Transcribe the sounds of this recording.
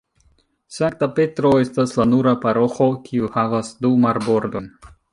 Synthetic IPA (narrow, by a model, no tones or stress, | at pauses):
saŋk̚tape̞tɾo̞e̞staslanuɾapaɾo̞xo̞kʰiuhavasdumaɾbo̞ɾdo̞n